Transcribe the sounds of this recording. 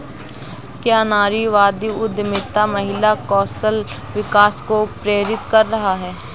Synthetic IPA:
kjaːnaːɾiʋaːd̪iʊd̪mɪt̪amɐɦɪlakɔːsəl | ʋɪkaːskopɾeːɾɪt̪kɐɾːɐɦaɦɛː

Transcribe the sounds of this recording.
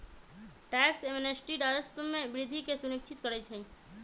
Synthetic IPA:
ʈɛksemnesʈiɖad͡ʒəsəmːebɾid̪ʱikesunikt͡ʃʰit̪kəɾɛt͡ʃʰə

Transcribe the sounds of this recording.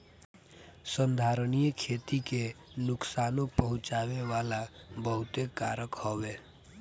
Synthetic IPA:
sənd̪ʱaːɾənijəkʰeːt̪ike | nʊksaːnõpəɦʊ̃t͡ʃaːweʋaːlabəɦʊt̪ekaːɾəkhowe

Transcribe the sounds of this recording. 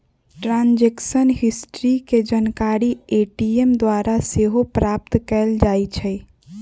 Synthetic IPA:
ʈɾãnd͡ʒeksənɦɪsʈɾiked͡ʒənkaɾieʈiemd̪waɾaseɦopɾaːp̚t̪kɛːld͡ʒaːit͡ʃʰɛ

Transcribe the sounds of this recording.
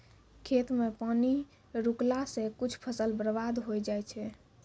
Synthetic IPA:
kʰet̪mepani | ɾuklasẽkut͡ʃʰpʰəsəlbəɾəbad̪ɦojd͡ʒajt͡ʃʰɛ

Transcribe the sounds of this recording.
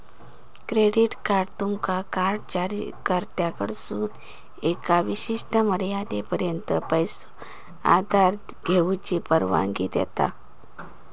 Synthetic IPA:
kɾeɽiʈkaɾɖt̪umkakaɾɖt͡ɕaɾikəɾt̪jakə̰ɽsuːn | ekaʋiɕiʂʈəməɾjad̪epəɾjənt̪əpəjsu | a̰d̪aɾ | ɡʱeut͡ɕiːpəɾʋã̰ŋɡḭd̪jɛ̰t̪a̰

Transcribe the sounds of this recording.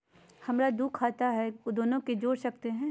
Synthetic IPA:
hɐmɾad̪uːkʰaːt̪aɦɛd̪oːnõked͡ʒoːɽsɐk̚t̪eɦɛ̃ː

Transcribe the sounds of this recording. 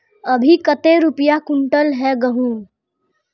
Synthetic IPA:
əbʱikət̪eɾupjakuɳʈəlɦɛɡəɦũ

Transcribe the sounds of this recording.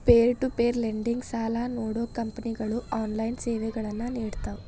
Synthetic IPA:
peːɾʈupeːɾleɳɖiŋɡsaːlaːnoːɽoːkɐmpɐniɡɐɭuʔaːnlɐjnt͡ʃeːʋeɡɐɭɐnːaːneːɽut̪aːu

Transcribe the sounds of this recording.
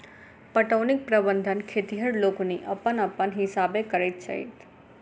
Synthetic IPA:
pəʈəʋnik̚pɾəbənd̪ʱənkʰet̪iɦəɽlokoniʔəpːənəpːənɦɪsabekəɾet̪t͡ʃə̰ɦḭt̪

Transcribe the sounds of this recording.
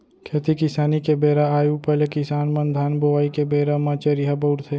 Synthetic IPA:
kʰeːt̪ikɪsaːnikebeːɾaaːjupɐlekɪsaːnmɐnd̪ʱaːnboʋaːikebeːɾamãːt͡ʃeɾiɦabɐʊʈt̪ʰeː

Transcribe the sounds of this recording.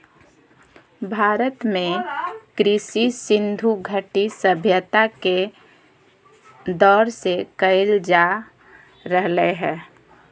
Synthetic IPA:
bʱaːɾət̪mẽkɾɪsisɪnd̪ʱuɡʱəʈisəbʱjət̪ake | d̪ɔːɾsekəɪld͡ʒa | ɾəɦleɦɛː

